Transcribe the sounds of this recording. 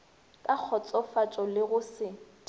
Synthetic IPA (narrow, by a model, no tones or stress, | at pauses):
kʼak͡xʰɔt͡sʼɔfat͡ʃʼɔlɪɣʊsɪ